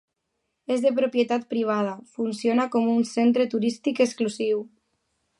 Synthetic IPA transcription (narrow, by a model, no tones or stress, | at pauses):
ezðepɾopjet̪at̪̚pɾiβ̞að̞afunsjonakɔmunsent̪ɾet̪uɾist̪ikəskluziw